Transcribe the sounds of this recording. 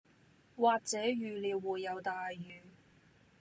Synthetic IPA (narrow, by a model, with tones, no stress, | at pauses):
waː˨k̚t͡sɛː˨˥jyː˨˧liː˨˧wwuː˨jːɐ˨˧wt̪aː˨jːyː˨˧